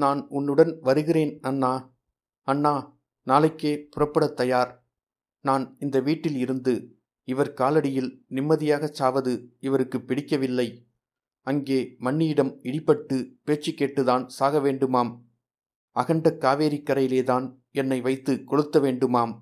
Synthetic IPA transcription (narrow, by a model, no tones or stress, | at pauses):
naːnʊnːɯɽɐnʋɐɾɯɣɪreːnɐnːaː | ɐnːaː | naːlɐɪkːeːpʊrɐpːɐɽɐt̪ːɐjaːɾ | naːnɪnd̪ɐʋiːʈːɪlɪɾɯnd̪ɯ | ɪʋɐɾkaːlɐɽɪjɪlnɪmːɐðɪjaːɣɐt͡ʃːaːʋɐðɯɪʋɐɾɯkːɯpːɪɽɪkːɐʋɪlːɐɪ | ɐŋɡeːmɐɳːijɪɽɐmɪɽɪpːɐʈːɯpeːt͡ʃːikːeːʈːɯðaːnsaːɣɐʋeːɳɖɯmaːm | ɐɣɐɳɖɐkːaːʋeːɾɪkːɐɾɐjɪleːðaːn | ɛnːɐɪʋɐɪt̪ːɯkɔɻɯt̪ːɐʋeːɳɖɯmaːm